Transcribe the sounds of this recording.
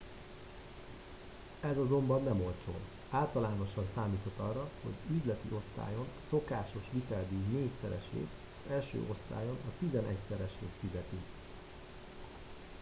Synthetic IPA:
ɛzɒzo̞mbɒnːɛmo̞lt͡ʃo̰ːn | aːlt̪ɒlaːno̞ʃɒnsaːmiːt̪ʰo̞t̪ːɒrːɒho̞̰ɟyzlɛt̪iʔo̞st̪a̰ːjo̞nso̞kaːʃo̞ʃʋit̪ɛld̪ineːcsɛɾɛ̰ʃḛːt̪ | ɛlʃø̰ːʔo̞st̪a̰ːjo̞nɒt̪izɛnʔɛcsɛɾɛʃḛːt̪fizɛt̪i

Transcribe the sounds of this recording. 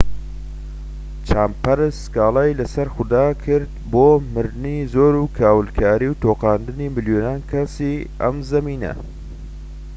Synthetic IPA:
t͡ʃʰaːmpɐɾɨsɡaːlaːjlɐsɐɾxʊd̪aːkʰɨɾd̪̚boːmɨɾd̪ɨnizoːɾuːkʰaːwɨlkʰaːɾiːwt̪ʰoːqɑːnd̪ɨniːmɨljonaːnkʰɐsiːɐ̰mzɐmiːnɐ̰

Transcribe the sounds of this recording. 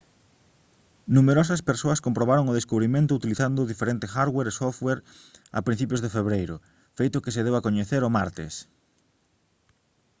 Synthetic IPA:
nũmeɾɔs̬ɐspeɾsoɐskompɾoβaɾoŋʊðeskuβɾimẽnt̪ʊut̪iliθand̪ʊðifeɾent̪ɪxaɾɣweɾesofθweɾ | ɐ̰pɾin̟θipjozðefeβɾejɾʊ | fejt̪ʊkɪseð̞ewakoɲeθeɾomaɾt̪ḛs

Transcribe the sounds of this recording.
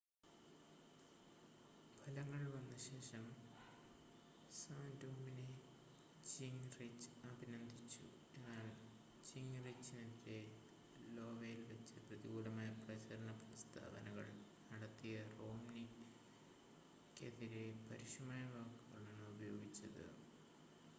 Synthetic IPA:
pʰɐlɐŋːɐɭʋɐnːɨɕe̞ːʂɐm | saːndumine | d͡ʑiŋret͡ɕːɐbʱinɐnd̪ʱit͡ɕːṵ | e̞nːaːl | d͡ʑiŋret͡ɕːinɐtːe | lo̞ːʋɐjilʋet͡ɕːɨprɐðiɡuːɽɐmaːjɐprɐt͡ɕɐɾɐɳɐprɐst̪ʰa̰ːbɐnɐɣɐɭnɐɽɐt̪ːijɐro̞ːmni | kːe̞ðiɾepɐɾiʂɐmaːjɐʋaːkːuɣɐɭenːɨubɐjo̞ːɡit͡ɕːɐðɨ̰

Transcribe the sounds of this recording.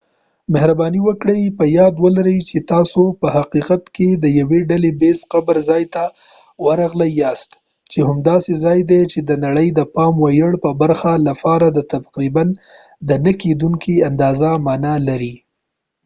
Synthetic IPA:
mɪhɾabɑniwəkɽəjpəjɑd̪wəlaɾəjt͡ʃet̪ɑsopəhaqiqat̪ked̪əjaweɖalebesqabaɾzɑjt̪a | waɾɑɣlajɑst̪ | t͡ʃeɦʊmd̪ɑsezɑjd̪et͡ʃed̪ənaɽəjd̪əpɑmwajəɽpəbaɾxalafɑɾad̪ət̪afqɾiban | d̪ənaked̪uŋkiand̪ɑzamɑnalaɾi

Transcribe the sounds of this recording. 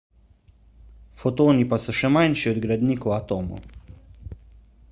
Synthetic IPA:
fɔt̪oːnipasɔʃɛmajnʃiɔd̪ɡɾad̪niːkowat̪oːmo̰

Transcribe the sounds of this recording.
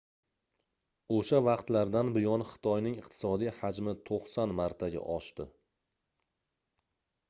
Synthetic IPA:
oʃavaqt̪laɾd̪anbɪjɒnχɨ̥t̪ʰɒjnɪŋɨqt̪ʰɪ̥sɒd̪ijhad͡ʒmɪt̪ʰoqsanmaɾt̪ʰaɡʲa̰ʔɒʃt̪ɪ

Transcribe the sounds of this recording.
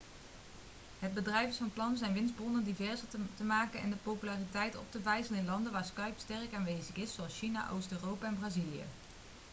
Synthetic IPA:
ɦəd̚bədrɛjvəsfɑnplɑnəzɛjnʋɪnzbɔnəndivɛɹzətəmaːkənɛ̰ndəpowpylaːritɛjtɔ̰p̚təvɛjsələnɪnlɑndəʋaːɹskœɥpstɛrkaːnʋejzəχɪsːowɑlˠsʃina̰ʔo̰wstøːrowpaɛnbraːzilijə̰

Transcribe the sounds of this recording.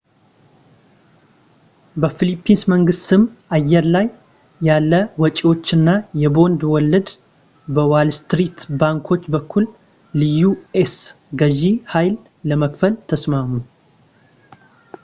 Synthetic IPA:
bəfilipʰːinsməŋɡɨst̪ɨmajːɛɾlajː | alːəwɔt͡ʃʼiwo̞t͡ʃːɨnːajɛbo̞nd̪wɔlːɨd̪ | bəwalst̪ɾit̪baŋkʰo̞t͡ʃːbəkʰːulː | ɨjues | ɡəʒihajlː | əməkfəlt̪ʰəsmamu

